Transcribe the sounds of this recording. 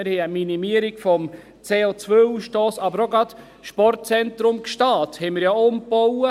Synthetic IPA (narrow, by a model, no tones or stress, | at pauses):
ɪɾhɛɪəminimiəɾiɡfɔm | t͡seːot͡sʋøuʃtoːsɑbəɾoɡɾɑt | ʃpɔrt̚t͡sɛntɾʊmkʃtɑːthɛɪmɪɾjɑːʊmpɔwə